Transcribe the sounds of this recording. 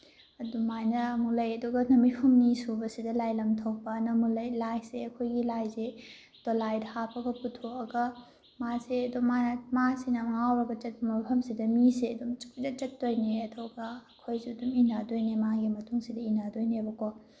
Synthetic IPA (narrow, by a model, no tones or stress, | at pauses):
ɐdumajnɐːmulɐjɐduɡɐnɐmipʰɐmnisubɐsidɐlajlɐmtʰɐw̚pɐnɐmulɐjlajseɐkʰojɡilajze | dolajdhapɐɡɐputʰoɐɡɐ | maseɐdumamasinɐmŋawɾɐɡɐt͡ʃɐt̚pɐmɐmipʰɐmsidɐmiseɐdumt͡ʃi̥k̚idɐt͡ʃɐtːojneɐdɔɡɐːkʰojziɐduminadojnemaɡimɐtuŋsidɐinadojnebɐko